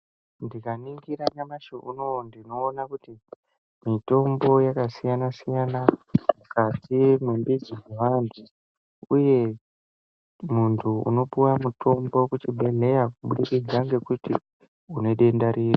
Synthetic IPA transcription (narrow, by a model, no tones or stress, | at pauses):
ndikaniŋɡiɾaɲamaʃoʔunondino̞ːnakuti | mito̞mbo̞jakasijanasijanamukatimwembid͡ziweʋantʰu | uje̞ | muntʰuṵno̞puwamuto̞mbo̞kut͡ʃiɓe̞ɮe̞jakuɓuɗikid͡zaŋɡe̞kuti | une̞ɗe̞ndaɾiːri